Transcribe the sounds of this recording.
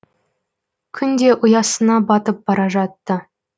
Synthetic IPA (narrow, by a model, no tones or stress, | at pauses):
kʲʰʏnd̪e̞ʔʊjɑsənɑbɑt̪əp̚b̥ɑɾɑʒɑt̪ːə